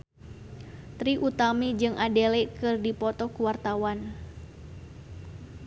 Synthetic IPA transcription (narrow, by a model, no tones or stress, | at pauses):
t̪ɾiʔut̪amid͡ʒɨŋʔadelɛkɨrdipɔt̪ɔkuwart̪awan